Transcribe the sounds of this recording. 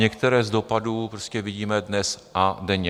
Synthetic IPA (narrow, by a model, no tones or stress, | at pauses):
ɲɛkt̪ɛɾɛːzdo̞paduːpɾoscɛvɪɟiːmɛdnɛsʔadɛɲɛ